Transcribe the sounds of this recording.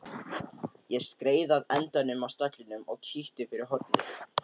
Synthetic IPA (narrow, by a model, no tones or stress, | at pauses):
jɛskɾeːjðaðɛnt̪anʏmawst̪aklɪnʏmɔɣcʰiht̪ɪfɪɾɪɾ̥ɦɔɾt̪nɪ